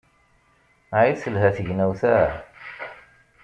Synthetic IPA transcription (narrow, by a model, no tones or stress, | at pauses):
aiθəlɦæθəʝnæwθæ